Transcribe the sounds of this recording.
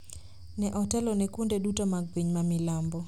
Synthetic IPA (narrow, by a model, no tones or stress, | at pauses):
nɛʔɔtɛlɔnɛkundɛɗutamaɡ̚piɲmamilambɔ